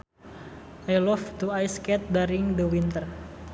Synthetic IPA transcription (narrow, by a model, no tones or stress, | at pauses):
ʔajlɔft̪uajskɛt̪̚daɾiŋd̪əwint̪ər